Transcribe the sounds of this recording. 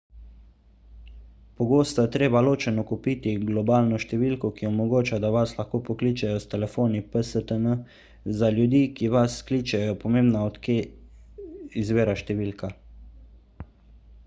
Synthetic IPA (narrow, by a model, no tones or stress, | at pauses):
pɔɡoːst̪ɔjɛt̪ɾeːbaloːt͡ʃɛnɔkupit̪iɡlɔbaːlnɔʃt̪ɛʋiːlkɔkiɔmɔɡoːt͡ʃad̪aʋaslaxkoːpɔkliːt͡ʃɛjɔst̪ɛlɛfoːnipəsət̪ənə | zaljud̪iːkiʋaskliːt͡ʃɛjɔpɔmeːmbnaɔt̪ke | izʋeːɾaʃt̪ɛʋiːlka